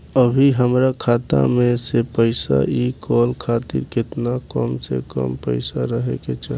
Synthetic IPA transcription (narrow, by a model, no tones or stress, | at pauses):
əbʱiɦəmɾakʰaːt̪a̰mẽsepəɪsa̰ikɔlkʰaːt̪ḭɾkɪt̪nakəmsḛkə̰mpəɪsaɾəɦḛket͡ʃa